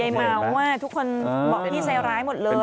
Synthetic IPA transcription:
a˧jmaː˧wːaː˥˩t̪ʰu˦˥kʰːo˧nbɔː˨˩k̪ʰiː˥˩sa˧˦˥wɾaː˦˥jmo˨˩t̪̚lɤː˧

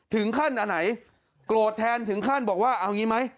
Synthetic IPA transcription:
t̪ʰɯ˩˦ŋkʰa˥˩nʔa˧nːa˩˦j | kloː˨˩t̪ʰːɛː˧nt̪ʰɯ˩˦ŋkʰa˥˩nbɔː˨˩k̚waː˥˩ʔa˧wŋiː˦˥ma˦˥j

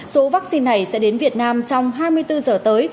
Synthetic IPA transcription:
so˨˦vaː˦˥k̚si˧nːa˨˩jsɛ̰˧˥ɗe˨˦nvi˨˩ət̚naː˧mt͡ɕɔ˧wŋ͡mɦaː˧jmɨ˧ət̪ɨ˧zəː˨˩t̪əː˨˦j

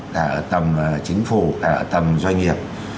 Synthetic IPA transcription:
ka̰ː˧˩˨t̪ə˧mt͡ɕï˨˦ŋ̟fu˧˩kaː˧˩t̪ə˧mzwa˧jŋ̟ŋi˨˩əp̚

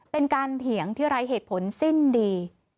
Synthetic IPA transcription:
pe˧nkaː˧nt̪ʰi˨˩˦əŋt̪ʰiː˥˩ɾa˦˥jɦeː˨˩t̪̚pʰo˩˦nsi˥˩ndiː˧

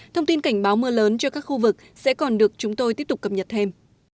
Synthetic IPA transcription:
t̪ʰə˧wŋ͡mt̪i˧nka˧˩jŋ̟ɓaː˨˦wmɨ˧ələː˨˦nt͡ɕɔ˧kaː˦˥k̚xu˧vɨ˨˩k̚sɛ̰˧˥kɔ˨˩nɗɨ˨˩ək̚t͡ɕʊ˨˦ŋ͡mt̪o˧jt̪i˦˥əp̚t̪kːə˨˩p̚ɲə˨˩t̚t̪ʰe˧m

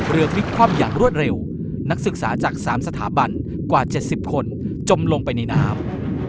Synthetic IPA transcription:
ɾɯ˧ɐkʰɾi˦˥t̪̚kʰwɔː˥˩mjaː˨˩ŋɾu˥˩ət̪̚ɾe˧w | na˦˥k̚sɯ˨˩k̚saː˩˦t͡ɕaː˨˩k̚saː˩˦msa˧t̪ʰa̰ː˩˦ba˧n | kwaː˨˩t͡ɕe˨˩t̪̚si˨˩p̚kʰo˧nt͡ɕo˧mlo˧ŋpa˧jna˧jnaː˦˥m

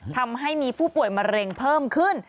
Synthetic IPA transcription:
t̪ʰa˧mɦa˥˩jmiː˧pʰuː˥˩pu˨˩əjma˧ɾe˧ŋpʰɤː˥˩mkʰɯ˥˩n

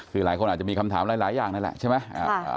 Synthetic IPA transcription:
kʰɯː˧laː˩˦jkʰo˧naː˨˩t͡ɕa˨˩mːiː˧kʰa˧mt̪ʰaː˩˦mlaː˨˩˦jlaː˨˩˦jaː˨˩ŋna˦˥nlɛ̰˨˩ʔt͡ɕʰa˥˩ma˦˥j̰

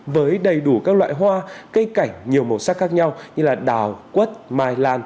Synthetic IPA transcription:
vəː˨˦jɗə˨˩jɗu˧˩kaː˦˥k̚la̰ː˧˨jɦwaː˧kə˧jka˧˩jŋ̟ɲi˨˩əwmo˨˩saː˦˥k̚xaː˦˥k̚ɲa˧wɲɨ˧laː˨˩ɗaː˨˩wkwə˦˥t̚maː˧jlaː˧n

